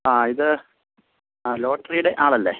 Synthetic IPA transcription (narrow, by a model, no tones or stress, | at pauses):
aːiðɨ | lo̞ːʈːrijuɽe̞ʔaːɭɐlːḛ